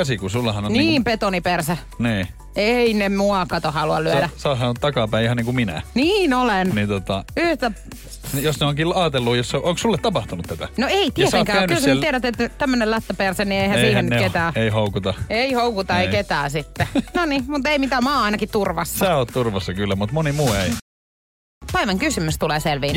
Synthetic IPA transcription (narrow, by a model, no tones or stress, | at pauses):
kæsikusulːɑhɑnoniːmpet̪onipersæ | niː | einemuɑkɑt̪ohɑluɑ̰llyødæsɑːˑsɑnot̪t̪ɑkɑpæˑiihɑniːŋkumminæ̰niːnolennint̪ot̪ɑyht̪æ | josneoŋkilːɑːt̪elːujosːʔoŋkssulːet̪t̪ɑpɑht̪unut̪t̪æt̪æ̰noeit̪iesekæːnkylslieɾæt̪et̪t̪æmːønelæt̪ːøpersennieihæsiːænːynket̪æːeihoukut̪ɑeihoukut̪ɑeiket̪æːsit̪ːenonimut̪eimit̪æːmɑːɑinɑkit̪t̪urʋɑsːsɑæːoːt̪t̪urʋɑsːɑkylːæmut̪monimuːei | pæiʋæŋkysymyst̪uleːselʋiːn